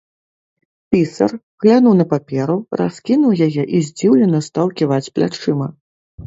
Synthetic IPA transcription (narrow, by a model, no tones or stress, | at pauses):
pʲisɐ̰r | ɣlʲanuwn̪ɐpapʲɛɾura̰skʲinuwjajɛʔizʲd͡zʲiwlʲɛnɐst̪awkʲivat͡sʲplʲa̰t͡ʂɨmɐ